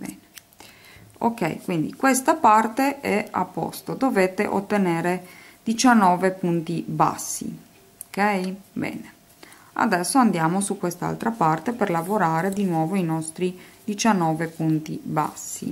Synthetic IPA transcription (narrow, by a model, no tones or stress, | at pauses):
bɛ̰ne | o̰kɛ̰jkwind̪ikwest̪apart̪eɛa̰pːɔ̰st̪od̪oveːt̪eʔo̰t̪ːeneːɾed̪it͡ʃanːɔːvepunt̪iba̰sːḭ | okɛjbɛ̰ːne | a̰d̪ɛsːoand̪jaːmosukwest̪aa̰lt̪ɾapart̪eperlavoɾaːɾed̪inwɔːvoinɔst̪ɾid̪it͡ʃanːɔːvepunt̪iba̰sːḭ